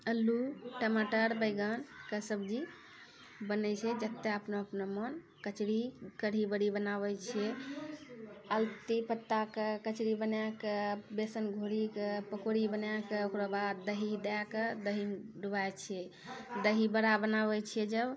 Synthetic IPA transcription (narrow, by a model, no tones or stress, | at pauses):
əlːuʈəmaʈəɾbəjɡənkəsəbd͡ʒi | bənɛt͡ʃʰɛd͡ʒət̪ːeəpnoəpnomən | kət͡ʃɾikəɽ̤ibəɽibənabət͡ʃʰɛ | əlt̪ipət̪ːakekət͡ʃɾibənakebesənɡʱoɽikəpəkoɽibənjakeokɾobad̪ːəɦid̪akəd̪əɦinɖubajt͡ʃʰɛ | d̪əɦibəɾabənaβɛt͡ʃʰɛd͡ʒəb